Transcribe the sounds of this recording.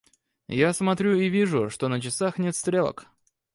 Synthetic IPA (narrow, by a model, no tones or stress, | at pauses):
jasmɐt̪ɾʲuɪvʲiʐʊʂt̪o̞nət͡ɕɪsaxnʲet̪st̪ɾʲe̞lˠə̰k